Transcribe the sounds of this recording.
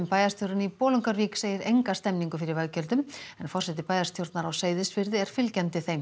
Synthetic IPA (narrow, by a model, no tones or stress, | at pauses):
mpaːjast̪joɾʏnipɔːlʏŋkaɾviːkseːjɪɾejŋkast̪ɛmniŋkʏfɪɾɪɾvaɣcœlt̪ʏmɛnfɔr̥sɛt̪ɪpaːjast̪ʰjowɾt̪naɾawseːjðɪsvɪɾðɪɛɾ̥fɪlcɛnt̪ɪθejm